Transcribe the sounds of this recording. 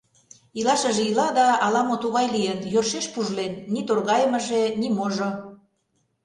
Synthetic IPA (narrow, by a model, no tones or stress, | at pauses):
ilɑʃə̆ʒeilɑd̪ɑːlɑmot̪uɣɑjlijənjorʃeʃpuʒlenːit̪orɣɑjəmə̆ʒenimoʒo